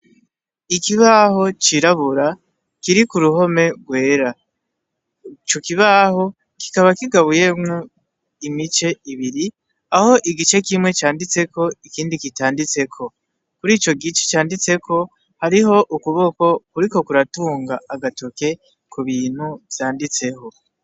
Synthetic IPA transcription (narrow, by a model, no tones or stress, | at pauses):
ikiβaho̞t͡ʃiɾaβuɾa | kiɾikuɾuɦo̞me̞ɡwe̞ːɾa | t͡ʃokiβaho̞ | ki̥kaβakiɡaβuje̞mŋo | imit͡ʃe̞iβiɾi | aho̞ʔiɡit͡ʃe̞kimwe̞t͡ʃaːndit͡se̞ko̞ikiːndikitaːndit͡se̞kʰo̞ | kuɾiːt͡ʃo̞ɡit͡ʃe̥t͡ʃaːndit͡se̞kʰo̞ | haɾiɦo̞ʔukuβo̞ko̞kuɾiko̞kuɾatuːŋɡaːɡatoke̞ | kuβiːn̥huvjaːndit͡se̞ho̞